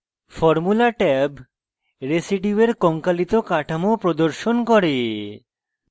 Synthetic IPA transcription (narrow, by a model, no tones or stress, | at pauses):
fɔɾmulaʈɛb | ɾesiʈieɾkɔŋkalit̪okaʈʰamopɾod̪oɾʃonkɔɾe